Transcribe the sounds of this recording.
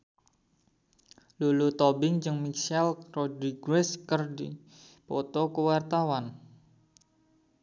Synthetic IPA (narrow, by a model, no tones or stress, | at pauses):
lulut̪ɔbɪŋd͡ʒɨŋmiksɛlrɔdiɡɾɛskərdi | pɔt̪ɔkəwart̪awan